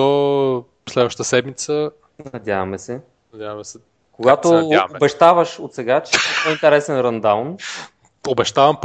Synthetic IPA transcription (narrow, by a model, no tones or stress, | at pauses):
o | slɛd̪vəʃt̪ət̪əsɛd̪mit̪sə | nɐd̪ʲjavɐmɛsɛ | nɐd̪ʲjavɐmɛsɛ | koɡat̪oaobɛʃt̪avəʃot̪sɛɡat͡ʃɛɛoint̪ɛɾɛsɛnɾɐnd̪awn | obɛʃt̪avɐmp